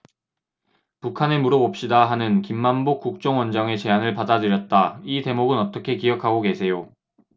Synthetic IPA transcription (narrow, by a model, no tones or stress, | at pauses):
pukʰanemuɾʌbʌp̚ɕ͈idaɦanɯnkimːanbok͈uk̚t͡ɕ͈ʌŋwʌnd͡ʑʌŋe̞t͡ɕe̞anɯɭpadadɯɾjʌt̚t͈aite̞moɡɯnʌt͈ʌkʰe̞kiʌkʰaɡoke̞sʰe̞jo